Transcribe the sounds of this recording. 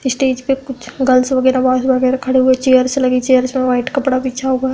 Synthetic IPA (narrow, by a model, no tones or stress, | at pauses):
ɪsʈeːd͡ʒpekʊt͡ʃʰɡɐlsʋəɡɛːɾabaːsbɐɡɛɾakʰɐɽeɦʊet͡ʃejəɾselɐɡit͡ʃejəɾsmẽʋaːɪʈkɐpɽabit͡ʃʰaɦoːɡa